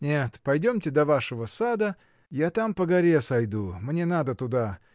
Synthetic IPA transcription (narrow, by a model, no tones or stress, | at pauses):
nʲet̪pɐjdʲomtʲɪd̪ɐvaʂəvəsad̪ə | jat̪ampəɡɐɾʲesɐjd̪umnʲenad̪ət̪ʊd̪a